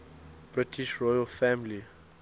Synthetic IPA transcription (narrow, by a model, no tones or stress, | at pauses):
b̥ɹɪtʰiʃɹɔjəlfãmli